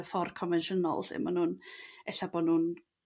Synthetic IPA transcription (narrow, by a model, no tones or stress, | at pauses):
fɔrkʰɔnvɛnʃənɔ̰lˠsɪ̰manuːnɛɬabɔːnuːn